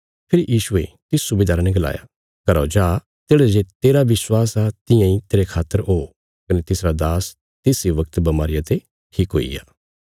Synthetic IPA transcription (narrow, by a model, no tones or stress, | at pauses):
pʰɪɾjiːʃʊḛ | t̪ɪsːʊbeːd̪aːɾanɛɡɐla̰ːja̰ | kɐɾod͡ʒaː | t̪eːɽed͡ʒet̪eːɾaʋɪswaːsat̪ɪ̃jãit̪eːɾekʰaːt̪ːəɾɦo | kɐnet̪ɪsɾad̪aːs | t̪ɪːsiʋɐkt̪bɐmaːɾɪjat̪e | ʈʰiːkɦo̰ːḭja̰ː